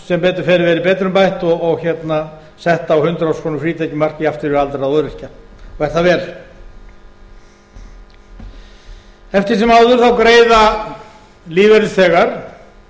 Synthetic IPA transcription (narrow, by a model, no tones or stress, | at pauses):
sɛmpɛːt̪ʏɾfɛːɾɪvɛɾɪpɛːt̪ɾʏmpajht̪ɔɣːɣçɛt̪na | sɛht̪aːwhʏnt̪ɾawskʰɔːnʏmfɾiːt̪ʰajcɪmar̥cɪaft̪ɪɾɪalt̪aɾaðɔðɾɪr̥caɔɛɾ̥θaðvɛːɾ | ɛft̪ɪɾsɛmaːwðʏɾ̥θawkɾeːjða | liːvɛɾɪlsθɛːɣaɾ̥